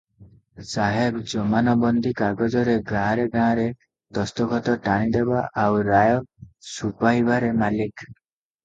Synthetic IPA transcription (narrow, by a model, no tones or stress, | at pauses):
saɦebd͡ʒɔmanɔbɔnd̪ʱikaɡɔd͡ʒɔɾeɡãɾeɡãːɾe | d̪̥ɔst̪ɔkʰɔt̪ɔʈaɽ̃id̪ebaʔawɾajɔsupaibaɾemalik